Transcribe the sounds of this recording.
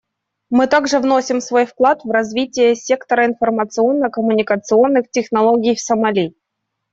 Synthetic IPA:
mɨt̪aɡʐɨvnosʲɪmsvo̞jfklˠat̪vrɐzvʲitʲɪjəsʲe̞kt̪əɾəɪnfərmət̪sɨo̞nːəkəmʊnʲɪkət̪sɨo̞nːɨxtʲɪxnɐlˠoɡʲɪjfsəmɐlʲi

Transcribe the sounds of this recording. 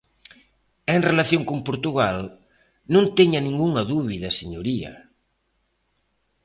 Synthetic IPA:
eŋrelaθjõŋkumpuɾt̪uɣal | nõnt̪eɲanĩŋɡuŋɐðuβiðɐseɲoɾia̰

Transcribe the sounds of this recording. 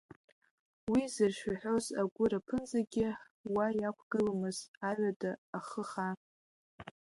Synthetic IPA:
wizɨrʃᶣaħᶣozaɡʷʊɾapʰɨnzaɡʲɪ | wajakʷʰɡ̥ɨlamɨzaɥʷadaːχəχa

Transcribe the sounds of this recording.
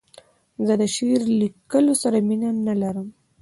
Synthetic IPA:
zəd̪əʃeɾlikəlosaɾaminanalaɾəm

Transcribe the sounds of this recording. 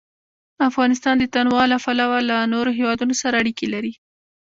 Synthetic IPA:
afɣɑnɪs̬t̪ɑnd̪ət̪anwɑlapalawalanoɾoɦewɑd̪unosaɾaːɽikelaɾi

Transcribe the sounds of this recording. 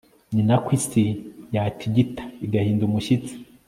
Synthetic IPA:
ɲinakwiːsijaːtʰiɟitḁiɡahiːndumuʃit͡si̥

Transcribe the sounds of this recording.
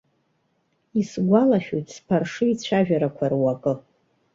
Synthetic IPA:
isɡʷalaʃᶣojtʰʼspʰarʂɨit͡ɕʷʰaʒᶣaɾakʷʰarwakʼɨ

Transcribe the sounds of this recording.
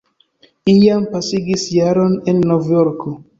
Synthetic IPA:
ijampasiɡisjaɾo̞ne̞nːovjoɾko

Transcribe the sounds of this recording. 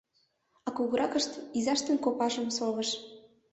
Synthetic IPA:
ɑkuɣɤɾɑkəʃt̪izɑʃt̪enkopɑʃə̆msoβə̆ʃ

